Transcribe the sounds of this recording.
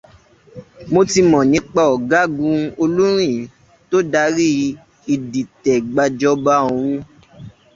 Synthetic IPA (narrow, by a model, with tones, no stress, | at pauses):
mo˧ti˧mɔ̃˨nĩ˨˦k͡pa˧ɔ˨ɡa˦ɡũ˧o˧lu˦ɾ̃ĩ˦˨ | to˦da˧˦ɾi˦ | i˨di˨tɛ˨ɡ͡ba˧˨d͡ʒɔ˧ba˧˦õ˨ũ˧˦